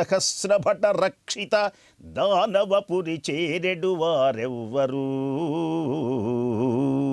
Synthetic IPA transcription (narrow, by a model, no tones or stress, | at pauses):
ɐhɐsɾɐbʱɐʈɐɾɐkʂit̪ɐ | d̪ʱaːnɐʋɐpuɾit͡ʃɛːɾeɖuʋaːɾɛʋːɐɾu